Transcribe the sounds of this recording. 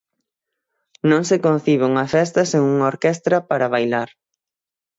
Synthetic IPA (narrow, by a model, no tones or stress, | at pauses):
nõŋsekõn̟θiβɪuŋɐfɛs̬t̪ɐseŋuŋoɾkɛst̪ɾɐpaɾaβ̞ajlaɾ